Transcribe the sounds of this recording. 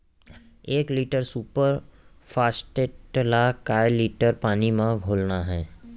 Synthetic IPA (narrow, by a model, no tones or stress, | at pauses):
eːkliːʈəɾsuːpəɾpʰaːsʈeʈlakaːeliːʈəɾpaːnimãɡʱoːlnaɦɛː